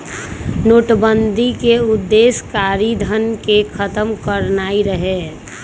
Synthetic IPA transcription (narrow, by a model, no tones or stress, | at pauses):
noːʈbənd̪ʱikeʊd̪ːeːskaːɾid̪ʱənkekʰət̪əmkəɾnaːiɾəɦe